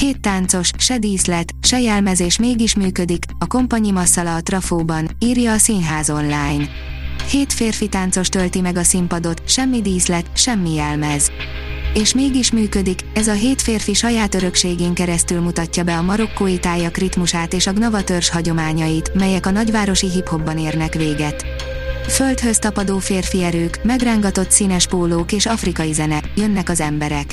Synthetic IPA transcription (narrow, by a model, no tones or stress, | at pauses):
heːt̪ːaːnt̪so̞ʃʃɛd̪iːzlɛt̪ʃɛjɛlmɛzeːʃmeːɡiʃmyːkø̞d̪ikɒko̞mpɒɲimɒsːɒlɒːt̪rɒfoːbɒniːrjɒːsiːnɦaːzo̞nlaːjn | heːt̪feːrfit̪aːnt̪so̞ʃt̪ølt̪imɛɡɒsimpɒd̪o̞t̪ʃɛmːid̪iːzlɛt̪ʃɛmːijɛlmɛz | eːʃmeːɡiʃmyːkød̪ikɛzɒɦeːt̪feːrfiʃɒjaːt̪ø̞ɾø̞kʃeːɡeːŋkɛɾɛst̪ylmut̪ɒcːɒbɛɒmɒɾo̞kːoːjit̪aːjɒkrit̪muʃaːt̪eːʃɒɡnɒvɒt̪ørʃhɒɟo̞maːɲɒjit̪mɛjɛkɒnɒɟvaːɾo̞ʃiɦipho̞bːɒneːrnɛkʋeːɡɛt̪ | følt̪høst̪ɒpɒd̪oːfeːrfiɛɾøːkmɛɡraːŋɡɒt̪o̞t̪sinɛʃpoːloːkeːʃɒfrikɒjizɛnɛjønːɛkɒzɛmbɛɾɛk